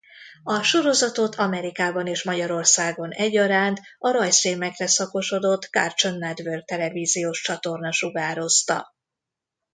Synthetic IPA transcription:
ɒʃo̞ɾo̞zɒt̪o̞t̪ʰɒmɛɾikaːbɒneːʃmɒɟɒɾo̞rsaːɡonɛɟːɒɾaːnt̪ɒɾɒjseːmɛkrɛsɒko̞ʃo̞d̪o̞t̪ka̰rt͡ʃo̞nːɛd̪vørk̚t̪ɛlɛviːzijoːʃt͡ʃɒt̪o̞rnɒʃuɡaːɾo̞st̪ɒ̰

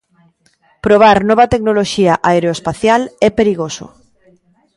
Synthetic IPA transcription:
pɾoβ̞aɾnɔβat̪eknoloʃiaʔaeɾeoespaθjalɛpeɾiɣoso̰

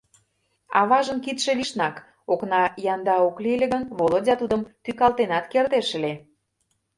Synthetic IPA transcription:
ɑ̰βɑʒə̆nkit̪ʃĕliʃnɑk | oknɑjɑnd̪ɑoklilʲĕɣənβolə̆dʲɑt̪ud̪ə̆mt̪ykɑlˠt̪enɑt̪kert̪eʃə̆le

